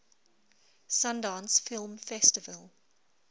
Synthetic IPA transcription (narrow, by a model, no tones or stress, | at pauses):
sãndɑ̃ːnsfɪlˠmfɛstɪvəlˠ